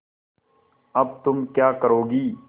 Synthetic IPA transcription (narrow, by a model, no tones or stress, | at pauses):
ɐb̚t̪ʊmkjaːkɐɾoːɡiː